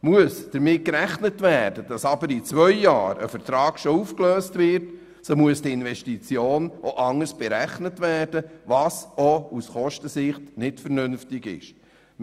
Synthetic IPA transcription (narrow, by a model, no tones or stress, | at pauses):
muəsd̥əɾmɪt̚kɾæχnətʋæːɾd̥əd̥ɑsɑbəɾit͡sʋœʏjɑːɾə̰fəɾtɾɑːkʃɔuːfkløːstʋɪɾt | somuəsd̥iɪnvɛʃtit͡sjoːnʔoʔɑŋəsb̥ɛɾæχnətʋæːrd̥əʋɑːsousχɔʃtəsɪχtnɪtfəɾnʏnftɪɡɪ̰ʃ